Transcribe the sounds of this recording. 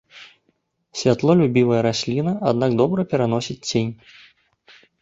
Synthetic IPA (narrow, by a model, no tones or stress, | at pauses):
sʲvʲat̪lˠɔlʲubʲivɐjɐɾasʲlʲinɐʔad̪naɡd̪ɔbɾɐpʲɛɾan̪ɔsʲit͡sʲt͡sʲenʲ